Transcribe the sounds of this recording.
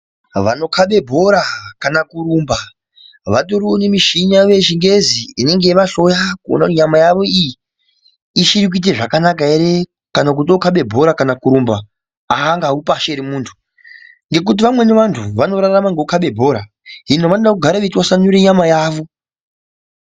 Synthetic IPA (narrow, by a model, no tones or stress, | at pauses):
ʋano̞kʰaɓe̞bʱo̞ɾakanakuɾumba | ʋatoɾionemiʃiɲaʋe̞ʃiŋɡe̞ziine̞ŋɡeʋaɬo̞jakuo̰nakutiɲamajaʋo̞iji | iʃiɾik̬uit̬eʐakanak̬aeɾe̞ | kanak̬utiokaɓe̞bʱo̞ɾakanakuɾumba | aːŋɡaupaʃeɾimuːntʰu̥ | ŋɡe̞k̬ut̬iʋamwe̞neʋantʰuʋano̞ɾaramaŋɡeukaɓe̞bʱo̞ɾa | ɦinoʋanoɗakuɡʱaɾaʋetwasanuɾeɲamajaːʋo̞